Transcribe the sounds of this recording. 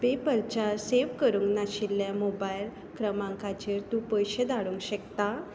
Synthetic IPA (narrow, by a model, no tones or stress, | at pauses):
pepəlt͡ɕaseʋkəɾuːŋɡnaɕilːjamobajl | kɾəmãŋkat͡ɕeɾt̪ũpəjɕed̪aɽuːŋkɕəkt̪a